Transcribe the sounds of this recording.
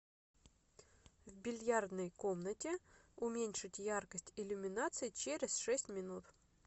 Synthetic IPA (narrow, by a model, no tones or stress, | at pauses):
vbʲɪlʲjard̪nəjko̞mnətʲɪʊmʲenʲʂɨtʲjarkəsʲtʲɪlʲʊmʲɪnat̪sɨjɪt͡ɕeɾʲɪsʂɛsʲtʲmʲɪnut̪